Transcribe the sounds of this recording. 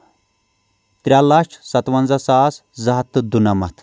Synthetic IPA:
t̪ɾʲaːlat͡ʃʰsɐt̪ʋɐnzɐsaːszɐɦɐt̪ːɨd̪unɐmɐ̰t̪ʰ

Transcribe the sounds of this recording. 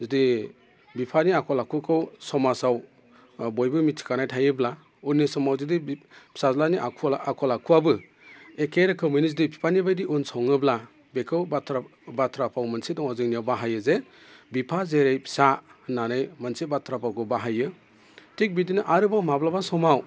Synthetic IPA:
zidi | bipʰaniakʰɔlakʰukʰɯwsɔmasaw | bojbɯmitʰi̥kanajtʰajɯbla | unisɔmawzidisazlaniʔakʰukʰɔlakʰuabɯ | ekeɾɯkʰɯmɯjnizidipʰi̥pʰanibajdiunsɔŋɯbla | bekʰɯwatʰɾabatʰɾapʰawmɐnsidɔŋazɯŋnijawbaɦajɯze | bipʰazeɾejpʰi̥sananɯjmɐnsibatʰɾapʰawkɯwbaɦajɯ | tʰik̚bidinɯʔaɾɯbamablabasɔmaw

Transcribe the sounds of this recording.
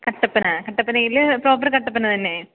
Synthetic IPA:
kɐʈːɐpːɐnaːkɐʈːɐpːɐnɐjɪlpɾoːpːɐɾkɐʈːɐpːɐnːɐt̪ɐnːeː

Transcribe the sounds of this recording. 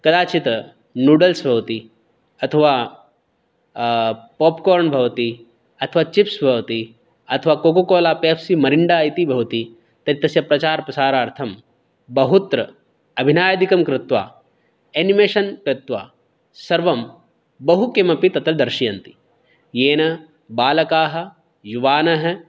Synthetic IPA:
kɐd̪aːt͡ʃit̪ | nuːɖɐlsbʱɐʋt̪i | ɐt̪ʰɐʋaː | poːpkoːɾɳbʱɐʋt̪i | ɐt̪ʰəʋaːt͡ʃipsbʱɐʋt̪i | ɐt̪ʰəʋaːkoːkokoːlaːpeːpsimɐɾiɳɖaːjt̪ibʱɐʋt̪i | t̪ɐɾit̪ɐsjɐpɾɐt͡ʃaːɾpɐsaːɾaːɾt̪ʰɐm | bɐɦut̪ɾɐ | ɐbʱinaːjɐd̪ikɐmkɾɪt̪ʋa̰ː | eːnimeːʃɐnkɾɪt̪ʋa̰ː | sɐɾʋɐm | bɐɦukemɐpit̪ɐt̪ɐld̪ɐɾʃijɐnt̪i̥ | jeːnɐ | baːlɐkaːɦɐ̆ | juʋaːnɐɦɐ

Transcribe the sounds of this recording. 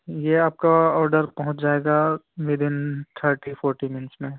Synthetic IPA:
jeaːp̚kaɔːɾɖəɾpɐɦʊ̃t͡ʃd͡ʒaːeːɡaʋɪd̪ɪnt̪ʰəɾʈifɔːɾʈimɪnsmẽ

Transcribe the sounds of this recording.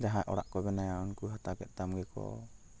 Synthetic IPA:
d͡ʒaɦaʔɔ̰ɽa̰ʔkɔbɛnajaunkuɦat̪akɛt̪̚t̪amɡɛkɔ̰

